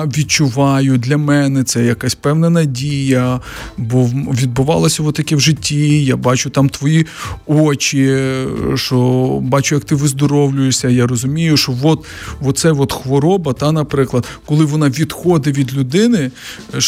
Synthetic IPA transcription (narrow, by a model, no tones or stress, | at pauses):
ʋʲid̪̚t͡ʃʊʋɑjʊd̪ʲlʲɐmɛnɛt̪sɛjɐkasʲpɛwnɐnɐdʲijɐbɔʋʲid̪̚bʊʋɑ̰lˠɐsʲɐʋɔt̪ːɐkʲɛwʒɪtʲːijabɑt͡ʃʊt̪ɑmt̪ʋɔjiɔt͡ʃʲi | ʃɔbɑt͡ʃʊjɐk̚t̪ɪʋɪzd̪ɔɾɔwlʲʊjɪʃsʲɐjarɔzʊmʲijʊʃɔʋɔt̪ | ʋɔt̪sɛʋɔt̪xʋɔɾɔbɐt̪ɑnɐpɾɪklˠɐd̪kɔlˠɪʋɔnɑʋʲid̪xɔd̪ɪʋʲid̪lʲʊd̪ɪnɪ